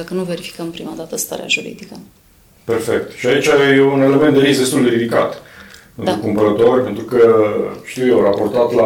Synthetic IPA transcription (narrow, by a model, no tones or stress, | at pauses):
akənuve̞ɾifi̥kəmpɾimad̪at̪əst̪a̰ɾḛa̰ʒuɾḭd̪ikə | pe̞rfe̞̰k̚t̪ʃiait͡ʃʲajeune̞le̞ment̪d̪e̞ɾisd̪est̪uld̪e̞ɾid̪ika̰t̪pe̞nt̪ɾukumpəɾət̪o̞rʲpe̞nt̪ɾukəʃt̪iwjewrapo̞rt̪at̪la